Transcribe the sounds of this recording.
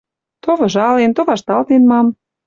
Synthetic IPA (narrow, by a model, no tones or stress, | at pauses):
t̪oβɤ̆ʒɑlent̪oβɑʃt̪ɑlt̪enmɑm